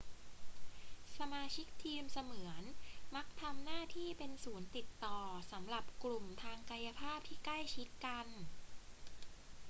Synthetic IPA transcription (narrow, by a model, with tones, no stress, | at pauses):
sa˧maː˧t͡ɕʰi˦˥k̚t̪ʰiː˧msa˧mɯ˩˦ənma˦˥k̚t̪ʰa˧mnaː˥˩t̪ʰiː˥˩pe˧nsuː˩˦nt̪i˨˩t̪ːɔː˨˩sa˩˦mɾa˨˩p̚klu˨˩mt̪ʰaː˧ŋka˧ja˧pʰaː˥˩p̚t̪ʰiː˥˩kla˥˩jt͡ɕʰi˦˥t̪̚ka˧n